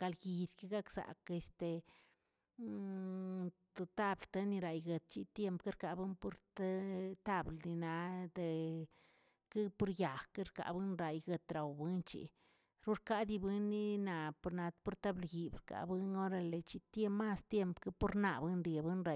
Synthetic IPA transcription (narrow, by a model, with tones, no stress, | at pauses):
ka˧lɡi˨d̪ki˦ɡa˦kz̥a̰˨ke˨st̪e˨ | t̪o˨t̪a˦blt̪e˦ni˧ɾa˨jɡə˨t̪̚t͡ʃi˦t̪je˧mpke˦ɾka˨bɨ˦npo˦ɾt̪a˦t̪a˦blni˧na˧d̪e˧ | ke˦pu˦ɾja˨xka˦ɾka̰˨bɨ˦nɾa˨jɡə˧t̪ɾa˨wbɨ˦nt͡ʃḭ˨ | ɾu˦ɾka˦d̪i˧bɨ˧nːi˦na˨po˧ɾna˧t̪po˦ɾt̪a˦blɡi˨bɾka̰˧bɨ˦no˦ɾa˧le˨t͡ʃi˧t̪je˦ma˦st̪je˦˧mpka˦po˦ɾna̰˧bɨ˦nɾje˨bɨ˦nɾa˧˨